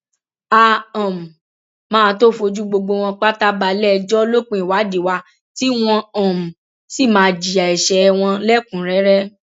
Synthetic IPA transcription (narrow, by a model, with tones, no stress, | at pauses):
a˧ã˨m̩˨ | mãː˦˧to˦fo˧d͡ʒu˦ɡ͡bo˧ɡ͡bo˧w̃ɔ̃˧k͡pa˦ta˦ba˧lɛ˦d͡ʒɔ˦lo˦k͡pĩ˧˦i˨wa˨˦di˨wa˧ | ti˦w̃ɔ̃˧ã˨m̩˨ | si˦˨mãː˧d͡ʒi˨a˨i˨ʃɛ˧w̃ɔ̃˧lɛ˦˨kũ˨˦ɾɛ˨˦ɾɛ˦